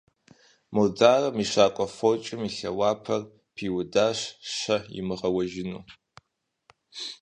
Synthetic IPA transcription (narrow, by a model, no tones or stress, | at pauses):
mod͡zaːrɐmiɕaːkʷʼɔfot͡ʃʼɪmiɬɐwaːpʰɐr | pʰiːwʊdaːɕɕɐjɪ̰mɨʁɐwɐʒɪnuː